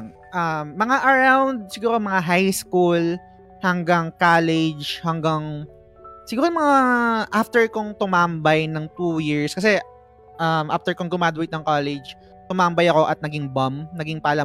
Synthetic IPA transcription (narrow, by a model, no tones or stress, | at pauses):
ŋ | ʔamːɐŋaʔɐɹawnd̪̚sɪɡuːɾomɐŋaɦajskul | hɐŋɡaŋkaːlɛd͡ʒhɐŋɡaŋ | sɪɡuːɾomɐŋaʔaft̪ɛɹkoŋt̪ʊmambɐjnɐŋt̪uːjiɹskɐs̬ɛ | ʔɐmʔaft̪ɛɹkoŋɡʊmaːd̪ʊwɛjt̪nɐŋkalɛd͡ʒ | t̪ʊmambɐjɐko̞ʔɐt̪̚nɐɡɪŋbɐmnɐɡɪŋpaːlɐ